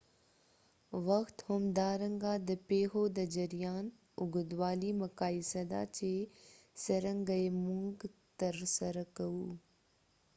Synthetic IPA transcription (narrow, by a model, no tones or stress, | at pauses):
ʋɐxt̪hʊmd̪aːɾəŋɡaːd̪əpeːɦoːd̪ɐd͡ʒɐɾijaːn | ʊɡəd̪waːliːmɐkaːisɐd̪a̰ːt͡ʃeː | sɐɾəŋɡɐemuŋɡt̪ɐɾsɐɾkɐuː